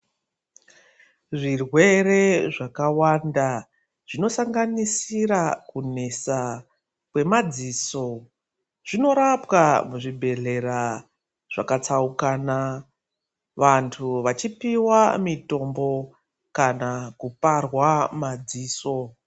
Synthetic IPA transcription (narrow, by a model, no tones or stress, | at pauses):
ʐirwe̞re̞ʐakawanda | ʐ̥ino̞saŋɡanisiɾakune̞sa | kwe̞mad͡ziːso̞ | ʐ̥ino̞ɾapkamuʐibʱe̞ɮe̞ɾa | ʐ̥akat͡saukana | ʋantʰuʋat͡ʃipiwamito̞mbo̞ | kanakuparwamad͡ziːso̞